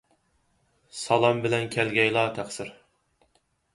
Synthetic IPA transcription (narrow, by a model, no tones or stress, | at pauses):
sɑlˠɑmbɪlɛnkʲʰælɡʲɛjlˠɑːt̪ʰæχsɪɾ